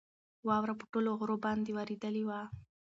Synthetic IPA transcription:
wɑwɾapəʈoloɣɾobɑnd̪ewaɾed̪əlewa

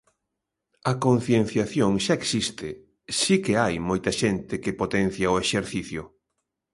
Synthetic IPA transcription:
ɐkon̟θjen̟θjaθjoŋʃaeksist̪ɪ | sikeajmojt̪ɐʃent̪ɪkɪpot̪ɛn̟θjaoeʃeɾθiθjʊ

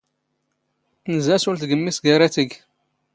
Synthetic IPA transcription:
θnəzæsʊɾθɡəmːisɡaɾæθəɡ

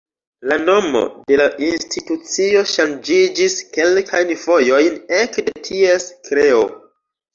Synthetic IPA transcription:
lano̞mo̰de̞laʔinstʰitut͡sio̞ʃand͡ʒid͡ʒiske̞lkʰajnvojo̞jnekdetʰieskɾe̞o̰

